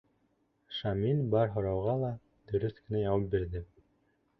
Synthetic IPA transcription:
ʃɑminbɑɾɦŏɾɑwʁɑlˠɑ | d̪ɵ̆ɾɵθkɘ̆næjɑwɑp̚biɾðɘ

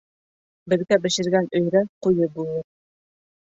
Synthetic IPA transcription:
bɘ̆ðɡæbɘ̆ʃɘ̆ɾɡænɵ̆jɾæqujɤbulˠɤɾ

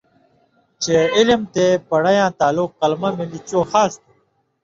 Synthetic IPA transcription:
t͡ɕeilimt̪eːpɐɽɐjãːt̪aːlukːɐlmamelit͡ɕoːxaːst̪i

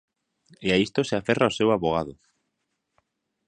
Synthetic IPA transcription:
eaist̪oseaferaosewaβoɣaðo

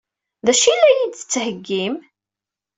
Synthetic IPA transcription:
ðæʃilːæjid̪θə̥t͡sːhəɡːim

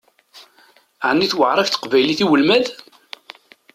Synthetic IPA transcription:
ʕnːiθwəʕɾˤɑfθə̥qvæjliθiwəlmæð

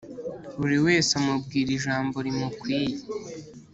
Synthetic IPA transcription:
uɾiwe̞ːsamubɡiːɾiʒaːmbo̞ɾimukwiːje

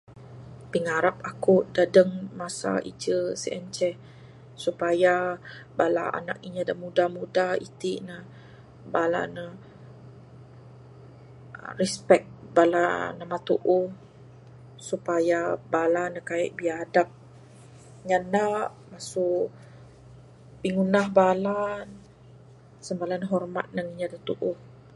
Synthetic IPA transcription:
piŋaɾapakʊʔdadəŋmasa̰ʔid͡ʒəsḭʔɛnt͡ʃɛ | supajabala̰a̰na̰k̚iɲədamudamudaḭt̪iʔna | bala̰nə | ɾɛspɛk̚bala̰namat̪uʔʊh | supajabalanəkaɪ̰ʔ̚biadap̚ | ɲanaʔ | masʊʔ | piŋunaɦbalan | səmbalanɦɔrma̰t̪̚naŋiɲadat̪uʔʊh

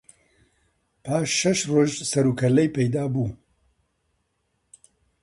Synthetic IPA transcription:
pʰaːʃːɐʃroːʒsɐɾuːkʰɐlɛjpejd̪aːbuː

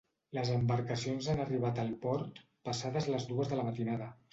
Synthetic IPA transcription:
ləzəmbəɾkəsionzanəriβ̞at̪əlˠpɔɾt̪ | pəsaðəzləzðuəzðələmət̪inaðə

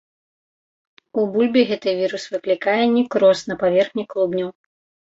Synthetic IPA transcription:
ubulʲbʲiɣɛt̪ɨvʲiɾusvɨklʲikajɛnʲikɾɔsnɐpavʲɛrxnʲiklˠubnʲɐw

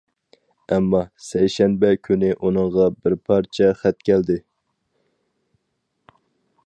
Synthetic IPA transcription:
ɛmːɑsɛjʃɛnbɛkʲʰynɪʔunɨɴʁɑbɪɾpʰɑɾt͡ʃʰɛχæt̪kʲʰɛld̪ɪ

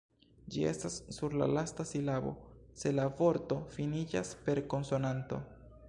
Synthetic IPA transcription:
d͡ʒie̞stasːuɾla̰lastasilabo̞̰se̞lavo̞ɾto̞finid͡ʒa̰spe̞ɾko̞nso̞nanto̞̰

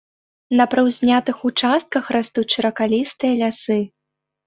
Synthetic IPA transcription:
nɐpɾɐwzʲnʲat̪ɨxut͡ʂast̪̚kɐxɾast̪ut͡sʲt͡ʂɐɾɐkalʲist̪ɨjɐlʲasɨ

